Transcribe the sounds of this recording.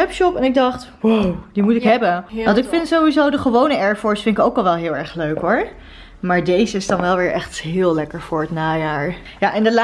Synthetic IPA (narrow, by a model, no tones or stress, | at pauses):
ɛpʃɔpɛnɪɡ̚dɑχt | udimutɪkɦɛbənʋɑntɪkfɪntsowʋizowdəχəʋownəɛɹfɔɹsfɪntɪkowkɑlˠʋɛlˠɦɪːlˠɛɹχløɥkɦʊɹ | maːɹdejzəɪsdɑnʋɛlˠʋɪːɹʔɛχtɦɪːlˠlɛkəɹvʊːɹətnaːjaːɹ | jaʔɪndəla